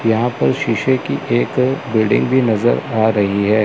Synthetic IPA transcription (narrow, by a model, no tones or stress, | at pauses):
jɐɦãpɐɾʃiʃekiʔeːkbɪlɖɪ̰̃ŋɡbʱinɐzəɾaːɾɐɦiɦɛː